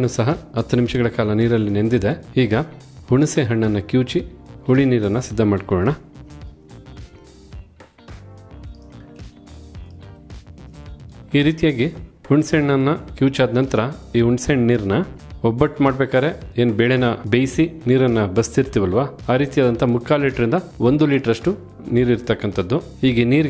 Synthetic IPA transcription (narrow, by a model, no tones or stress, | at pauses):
nusɐɦɐɐt̪ʰːɐnimʃɐɡɐɭɐkaːlɐniːɾɐlːinend̪id̪e̞iːɡɐ | huɳuseɦɐɳːɐnːɐkjuːt͡ʃihuɭiniːɾɐnːɐsid̪ʱːɐmaːɖkɔːɭɐɳɐ | iːɾiːt̪ijaːɡihuɳɖseɳːɐnːɐkjuːt͡ʃaːd̪nɐnt̪ɐɾɐiːɦuɳɖseɳɖniːɾɐnɐɔbːɐʈːmaːɖbeːkaːɾe̞eːnubeːɭenɐbejsiniːɾɐnːɐbɐst̪iɾt̪iʋɐlʋaːaːɾiːt̪ijaːd̪ɐnt̪ʰɐmukːaːliːʈɾind̪ɐo̞nd̪uliːʈɐɾɐʂʈu | niːɾiɾt̪ɐkːɐnt̪ʰɐd̪ːuhiːɡeniːɾ